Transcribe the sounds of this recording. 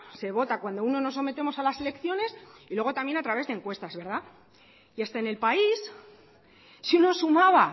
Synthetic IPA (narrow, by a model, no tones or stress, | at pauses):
se̞β̞o̞t̪akwand̪o̞uno̞no̞s̬ːo̞me̞t̪e̞mo̞salase̞le̞kθjo̞ne̞silwe̞ɣ̞o̞t̪amje̞nat̪ɾaβe̞zðeŋkwe̞st̪azβe̞ɾð̞a | iast̪aene̞lpais | iuno̞sumaβa